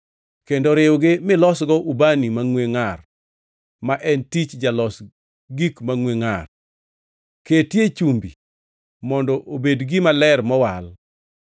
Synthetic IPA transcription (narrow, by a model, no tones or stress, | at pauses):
kendɔɾɪwɡɪmɪlɔsɡɔʔubanimaŋweŋar | maʔɛntit͡ʃd͡ʒalɔs | ɡikmaŋweŋar | ketjet͡ʃumbḭ | mɔndɔʔobedɡɪmalɛrmɔwal